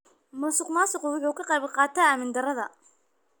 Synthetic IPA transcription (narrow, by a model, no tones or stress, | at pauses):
mʊːsʊqmaːsʊqʊwɪħuːkʰɐqɑjβqɑːt̪ʰɐaːmɪnd̪ɐrɐðɐ̰